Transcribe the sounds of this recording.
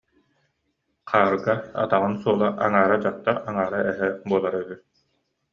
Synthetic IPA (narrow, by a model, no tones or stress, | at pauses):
qʰaːɾɡaa̰t̪aʁɯnsuɔlˠaʔa̰ŋaːɾad͡ʑaq̚t̪ːaʔaŋaːɾaɛɦɛbuɔlˠaɾœby